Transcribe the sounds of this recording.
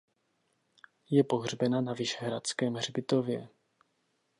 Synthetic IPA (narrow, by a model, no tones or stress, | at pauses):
jɛpo̞ɦr̝bɛnanavɪʃɛɦɾat͡skɛːmɦr̝bɪt̪o̞vjɛ